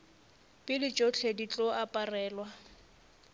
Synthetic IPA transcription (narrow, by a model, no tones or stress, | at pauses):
pʼɪdɪt͡ʃʼot͡ɬʰedit͡ɬʼɔapʼarɛːlwa